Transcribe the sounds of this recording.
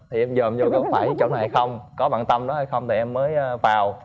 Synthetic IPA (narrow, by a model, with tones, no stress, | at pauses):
t̪ʰi˨˩ʔɛ˧mzəː˨˩mzo˨˦kə˧˦faː˧˩jt͡ɕo̰˧˨wna˨˩jha˧˩jxə˧wŋ͡mkɔ˨˦ɓa̰ː˧˨nt̪ə˧mɗɔ˨˦ha˧˩jxə˧wŋ͡mt̪ʰi˨˩ʔɛ˧mːəː˨˦jːvaː˨˩w